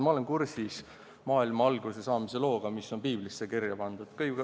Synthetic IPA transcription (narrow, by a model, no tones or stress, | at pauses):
mɑo̞lenkursis | mɑːilmɑɑlɡ̥use̞sɑːmise̞lo̞ːɡ̥ɑmisːo̞npiːblisːekirjɑpɑnd̪̥ud̪̥kɯj